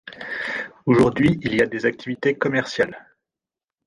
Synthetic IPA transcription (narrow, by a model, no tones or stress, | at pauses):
oʒuʁd̪ɥiilijad̪ezak̚t̪ʰivit̪ekɔmɛʁsjal